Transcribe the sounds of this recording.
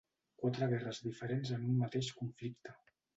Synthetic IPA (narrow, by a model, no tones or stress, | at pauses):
kwat̪ɾəɣ̞ɛrəzðifəɾenzənummat̪eʃkuɱflikt̪ə